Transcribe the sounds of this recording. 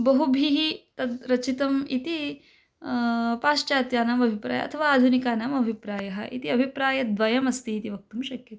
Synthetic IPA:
bɐɦubʱiɦit̪ɐd̪ɾɐt͡ʃit̪ɐmit̪i | paːʃt͡ʃaːt̪jaːnaːmɐbʱipɾa̰ːjɐ̰ɐ̰t̪ʰɐʋaːaːd̪ʱunikaːnamɐbʱipɾaːjɐɦɐ̰ʔḭt̪iɐbʱipɾaːjɐd̪ʋɐjɐmɐst̪iːt̪iʋɐk̚t̪umʃɐkjɐt̪i̥

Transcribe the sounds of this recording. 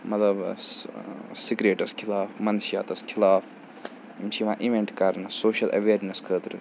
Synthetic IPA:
mɐt̪lɐb | siɡɾeːʈɐskʰilaːfmɐnʃija̰ːt̪ɐskʰilaːf | imt͡ʃʰiʋãːʔiʋeɳʈkɐɾnɐsoːʃɐlʔɐ̰ʋeːɾneskʰəːt̪ɾɨ

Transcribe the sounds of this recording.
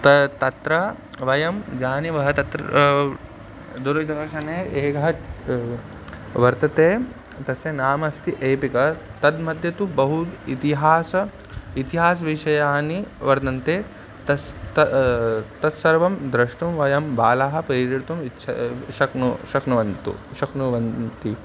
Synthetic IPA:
t̪ɐt̪ɐt̪ɾɐ | ʋɐjɐmd͡ʒaːniʋɐɦɐt̪ɐt̪ɾ | d̪uɾɐd͡ʒd̪ɐʋɐʃɐneːeːɡɐɦɐ | ʋɐɾt̪ɐt̪eː | t̪ɐsjɐnaːmɐst̪iʔeːpikɐt̪ɐd̪mɐd̪ʱjɐt̪ubɐɦud̪it̪iɦaːsɐ | it̪iɦaːs̬ɐʋiʃɐjaːniʋɐɾt̪ɐnt̪eː | t̪ɐt̪ | t̪ɐt̪sɐɾʋɐmd̪ɾɐʂʈumʋɐjɐmbaːlaːɦɐ̆pɾɐiɾiɾt̪umit͡ʃʰɐ̰ʃɐknuʃɐknuʋɐnt̪ṵʃɐknuʋɐnt̪i

